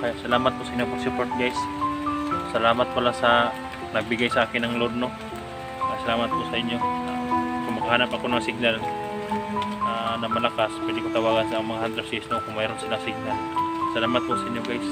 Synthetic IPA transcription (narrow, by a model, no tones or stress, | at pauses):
kajaʔsɐlaːmat̪̚pʊsɐʔiɲjopʊsupoɾt̪̚ɡajs | sɐlaːmat̪̚pɐlasɐ | nɐɡ̚bɪɡajsaʔaːkɪnɐŋlod̪no | asɐlaːmat̪̚pʊsɐʔɪɲjo | kʊŋmɐɡaɦaːnapɐkonɐŋsɪɡ̚nal | anɐmɐlakaspwɛd̪ɪkʊt̪ɐwaːɡansaoŋmɐŋahand̪ɾɛd̪sisnokʊŋmajɾʊnsɪlasɪɡ̚nalsalaːmat̪̚pʊʔsɐʔɪɲjoɡajs